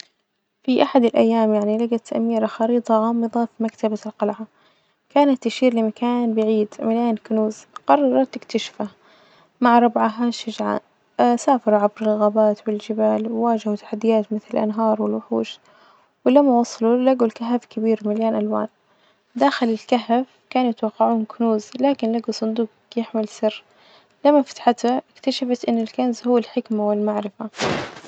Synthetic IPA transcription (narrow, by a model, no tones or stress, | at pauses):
fiʔaħad̪ɪlʔa̰jːaːmjaʕnilaɡat̪ʔa̰miːɾaxɑɾiːt̪ˤɑʕɑːmɨðˤɑfimakt̪abalqɑlʕa | kaːnat̪ːɪʃiːɾlɪmakaːnbɪʕiːd̪maljaːnkʊnuːzqɑrˤːɑɾˤɑt̪ɪkt̪ʰaʃfa | maʕɾˤɑbʕaɦaʃɪʒʕa̰ | saːfɑɾˤuʕabɾɪlɣaːbaːt̪wɪld͡ʒɪbaːlwwaːd͡ʒɪhut̪aħad̪ːɪjaːt̪mɪθlɪlʔa̰nɦɑːɾˤwɪlwʊħṵːʃ | wɪlamːawɑsˤɑlulaɡulkaɦafkɪbiːɾmaljaːnʔalwa̰ːn | d̪aːxɪlɪlkaɦaf | kaːnjɪt̪wɑqːɑʕuːmkʊnuːzlaːkɪnlaɡusˤɨnd̪uːq | jɪħmɪlsɪrː | lamːafḁt̪ħat̪aʔɪkt̪aʃafat̪ʔɪnːɪlkanzhʊwːalħɪkmawɪlmaʕɾɪfa